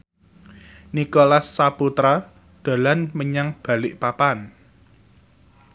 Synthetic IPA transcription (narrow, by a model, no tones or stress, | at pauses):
nikolasːaput̪ɾa | d̪̥a̤lanməɲaŋb̥ä̤lɪʔpapan